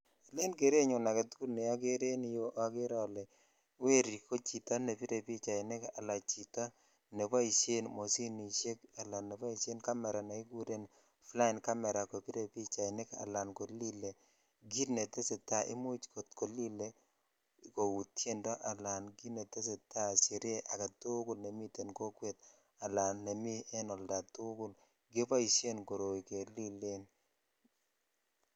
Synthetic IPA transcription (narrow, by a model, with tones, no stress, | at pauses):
le˦nɡe˨ɾe˦ɲo˨na˨ke˨t̪ku˦lnɪ˨a˦ɡe˦ɾe˦nɪ˦jo˦ʔa˨ɡe˦ɾɔ˦lɛ˨ | we˦ɾi˨ko˦t͡ʃi˨ta˦ne˨pi˦ɾe˨pi˦t͡ʃa˨ɪ˨ne˦ka˨la˨t͡ʃi˨ta˦ | ne˨pa˦i˨ʃe˦nmo˨si˦ni˨ʃe˦ka˨la˨ne˨pa˦i˨se˦nka˦mɛ˨ɾa˨na˨i˦ɡu˦ɾe˦n | fla˦ɪ˨nka˦mɛ˨ɾa˨ko˨pi˦ɾe˨pi˦t͡ʃa˨ɪ˨ne˦ka̰˨la˨nko˨li˦le˨ | ɡi˦tne˨te˦se˨ta˦ʔɪ̰˦mo˦t͡ʃko˨tko˨li˦le˦˨ | ko˨wu˨tje˦ndɔ˦ʔa˨la˨nɡi˦ne˨te˦s̬e˨ta˦˨si˨ɾɪ˦e˦ʔa˨ka˨tu˦ɡʊ˦˨lne˨mi˦te˨nko˦kwe˦t̪̚ | a˨la˨nːe˨mi˦ɛ˦nɔ˨lda˨tu˦ɡʊ˦l | ɡɪ˦o˦pa˦i˨sje˦nko˨ɾo˨i˨ke˨li˦le˦n